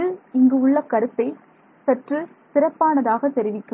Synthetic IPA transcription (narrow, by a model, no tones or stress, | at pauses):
ɯɪŋɡɯʊɭːɐkɐɾɯt̪ːɐɪ | sɛʈrɯ | sɪɾɐpːaːnɐðaːɣɐt̪ːɛɾɪʋɪkːɯ